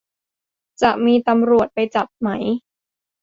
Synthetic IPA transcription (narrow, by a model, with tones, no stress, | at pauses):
t͡ɕa˨˩ʔmiː˧t̪a˧mɾu˨˩ət̪̚pa˧jt͡ɕa˨˩p̚ma˦˥j